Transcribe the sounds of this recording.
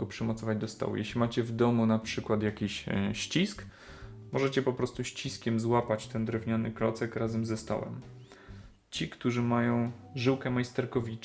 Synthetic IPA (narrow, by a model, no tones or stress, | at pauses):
ɔpʂɛmɔt̪sɔvad͡ʑd̪ɔst̪ɔ̰wṵjɛɕlʲimat͡ɕɛvd̪ɔmunapʂɘkwat̪jakʲiɕɕt͡ɕisk | mɔʐɛt͡ɕɛpɔpɾɔst̪uɕt͡ɕiskʲɛmzwapat͡ɕt̪ɛnd̪ɾɛvɲanɘkɾɔt̪sɛkɾazɛmzɛst̪ɔ̰wɛ̰m | t͡ɕikt̪uʐɘmajɔ̃w̃ʐɘwkɛmajst̪ɛɾkɔvʲi